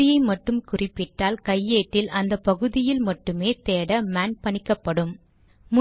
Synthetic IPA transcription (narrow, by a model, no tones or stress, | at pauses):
ɪjɐɪmɐʈːɯmkʊrɪpːɪʈːaːlkɐjːeːʈːɪlʔɐnd̪ɐpːɐɣɯðɪjɪlmɐʈːɯmeːt̪eːɽɐmaːnpɐɳɪkːɐpːɐɽɯm | mʊ